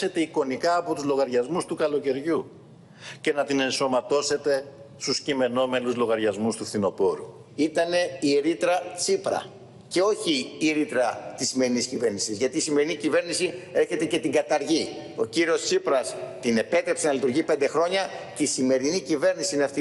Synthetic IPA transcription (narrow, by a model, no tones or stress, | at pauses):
e̞t̪e̞iko̞nikɐːpo̞t̪uzlo̞ɣɐɾʝɐzmust̪ukɐlo̞ce̞ɾʝu | ce̞nɐt̪ine̞nso̞mɐt̪o̞se̞t̪e̞ | st̪uscime̞no̞me̞nuzlo̞ɣɐɾʝɐzmust̪uθino̞po̞ɾu | it̪ɐne̞ieɾit̪ɾɐt͡sipɾɐ̰ | ce̞o̞çiɾit̪ɾɐt̪isːime̞ɾiniscive̞ɾnisizʝɐt̪iːsime̞ɾinicive̞ɾnisie̞çe̞t̪e̞ce̞t̪iɡɐt̪ɐɾʝi | o̞̰ciɾio̞st͡sipɾɐst̪ine̞pe̞t̪ɾe̞pse̞nɐlit̪uɾʝipe̞nd̪e̞xɾo̞ɲɐceisime̞ɾinicive̞ɾnisiineɐft̪i